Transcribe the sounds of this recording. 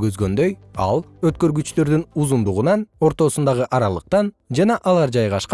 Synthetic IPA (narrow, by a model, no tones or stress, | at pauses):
ɡøzɡø̞nd̪ø̞jɑ̰lˠ | øt̪̚kø̞ɾɡyt͡ʃlø̞ɾd̪ynuzund̪uʁunɑno̞ɾt̪o̞sund̪ɑʁɯʔɑɾɑlˠɯq̚t̪ɑn | d͡ʒɑnɑʔɑlˠɑɾd͡ʒɑjʁɑʃq